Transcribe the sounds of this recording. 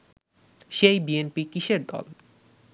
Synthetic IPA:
ʃejbienpikiʃeɾd̪ɔ̰l

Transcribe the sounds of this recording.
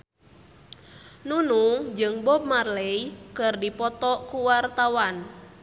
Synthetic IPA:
nunuŋd͡ʒɨŋbɔb̚marlɛikɨrdipɔt̪ɔkuwart̪awan

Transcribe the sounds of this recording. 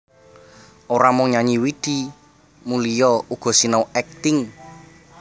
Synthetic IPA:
ʔoɾamʊŋɲaɲiwid̪̥i | mulijɔʔuɡ̥ɔ̤sinɔwɛk̚t̪ɪŋ

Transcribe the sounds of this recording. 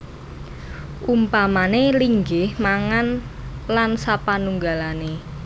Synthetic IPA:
ʔumpamaneliŋɡɪhmaŋan | lansapanuŋɡalane

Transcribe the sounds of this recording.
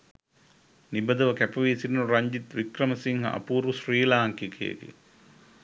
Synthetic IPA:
nibəd̪ɐʋəkæpɐʋisininuɾɐɲd͡ʒit̪ʋikrɐmɐsiŋɦɐ̰ʔɐ̰puːɾusriːlaːŋkikʰḛːɡḛ

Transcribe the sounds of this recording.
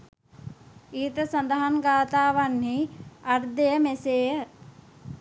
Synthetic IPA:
iːt̪ɐsɐnd̪ɐɦɐnɡaːt̪aːʋɐnɦiɐɾd̪ejɐmeseːə

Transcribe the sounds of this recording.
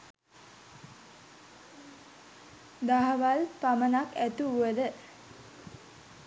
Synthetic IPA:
d̪aɦəʋalpamənakæt̪uuʋəd̪ə

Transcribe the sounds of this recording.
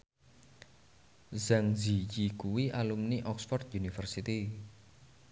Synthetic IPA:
zaŋzijikuwiʔalumniʔɔksfɔrt̪̚junifərsit̪i

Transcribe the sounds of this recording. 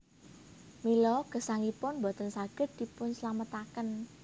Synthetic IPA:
milɔɡ̥ə̤saŋipʊnmbɔ̤t̪ənsaɡ̥ə̤t̪̚d̪̥i̤pʊnsəlamət̪akən

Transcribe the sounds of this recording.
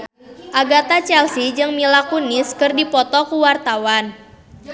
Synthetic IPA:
ʔaɡat̪at͡ʃɛlsid͡ʒɨŋmilakunɪskɨrdipɔt̪ɔkuwart̪awan

